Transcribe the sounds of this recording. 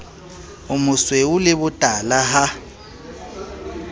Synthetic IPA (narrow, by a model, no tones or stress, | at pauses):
ʊmʊswɛʊlɪbʊtʼalaɦa